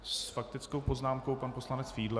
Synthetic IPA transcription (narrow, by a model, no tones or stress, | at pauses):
sfak̚t̪ɪt͡sko̞wpo̞znaːmko̞wpanpo̞slanɛt͡sfiːdlɛ